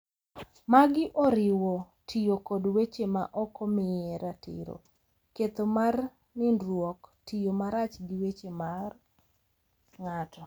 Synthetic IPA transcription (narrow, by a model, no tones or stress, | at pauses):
maɡɪʔɔɾɪwɔ | tʰijokodwet͡ʃema̰ʔɔkɔmɪɛɾatɪ̰ɾo̰ | ket̪omar | nɪndɾwɔktijomaɾat͡ʃɡɪwet͡ʃemar | ŋatʰɔ